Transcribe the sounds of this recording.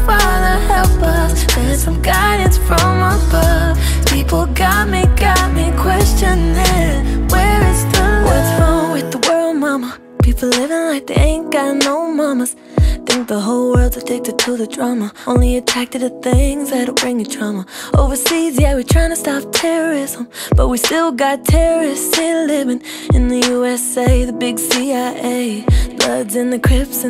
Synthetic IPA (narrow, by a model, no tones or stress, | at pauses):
fa | nəhɛlˠpʌs | ðə˞sʌ̃mɡaɪɾɨ̃nsfɹʌ̃mabʌ | pʰipl̩ˠɡɑt̚miɡɑt̚mĩnkʰw̥ɛst͡ʃɨ̃nðɪwəɪsðəwʌzfɔwɪðəwɜ˞lˠd̚mɑmə | pʰipl̩ˠlɪvɪ̃ŋlaɪk̚ðeɪẽɪ̃nɡ̥anoʊmɑməz̥ | θɪ̃ŋk̚ðəɦoʊlˠwɜ˞lˠd̚tʰɨtʰeɪk̚ðɨtʰuðɨdɹ̥ɑməõʊ̃nliɨtʰɹ̥æk̚tɨɾɨθɪ̃ŋzðɨɾəb̥ɹɪ̃ŋðɨtʰɹ̥ɑməoʊvə˞sizjæwitʰɹ̥ãɪɪ̃ŋtʰɨstɑp̚tʰɛɹə˞ɪzə̃mb̥ʌt̚wistɪlˠɡɑttʰɛɹə˞ɪstɪlɪvɪ̃ŋ | ɨ̃nðɨjuɛseɪðɨbɪɡsiaɪʔeɪb̥lʌdzɨ̃nðɨkʰɹ̥ɪps